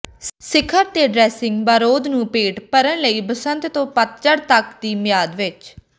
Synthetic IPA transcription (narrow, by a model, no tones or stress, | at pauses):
sɪkʰəɾt̪eːɖɾɛːsɪ̃ŋɡbaːɾoːd̪nũːpeːʈpəɾənləiːbəsənt̪t̪õːpət̪̚t͡ʃəɾt̪əkd̪iːmɪjaːd̪ʋɪt͡ʃ